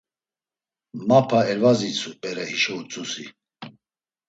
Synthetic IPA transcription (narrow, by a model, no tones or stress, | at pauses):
mapʰaɛɾvazit͡sʰupʼɛɾɛhiʃɔut͡sʼusi